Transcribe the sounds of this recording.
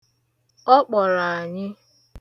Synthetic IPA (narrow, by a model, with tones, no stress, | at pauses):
ɔ˦k͡pɔ˨ɾa˨a˨ɲɪ˦